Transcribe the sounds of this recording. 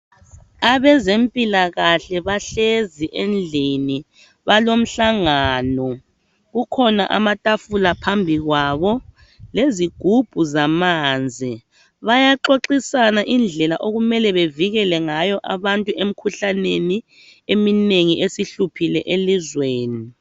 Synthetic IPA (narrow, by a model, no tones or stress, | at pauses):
aβɛzempʼilaɣaɬɛβaɬeziʔend͡ɮʱini | βalom̩ɬaŋaːnɔ | ɣukʰɔna̰ʔa̰matʼafulapʰambʱiɣwaβɔ | leziɡ̥ʱub̥ʱuzamaːnd͡zʱi | βajaǃoǃisanaʔind͡ɮʱɛlaʔoɣumɛlɛβeviɣɛlɛŋajɔʔa̰βantʼuem̩kʰuɬaneni | emineŋiʔesiɬupʰilɛʔelizweːni